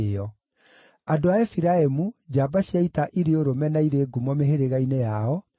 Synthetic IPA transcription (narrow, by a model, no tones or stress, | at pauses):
ɔ | adoaɛfiɾaemud͡ʑaːbaɕiaitaʔiɾeoɾomɛnaiɾeːɡumɔmeheɾeɣainejaɔ